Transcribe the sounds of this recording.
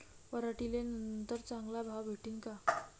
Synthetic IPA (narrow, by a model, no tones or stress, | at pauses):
pəɾaʈilenənnt̪əɾt͡sãŋɡlabʱawbʱeʈiːŋka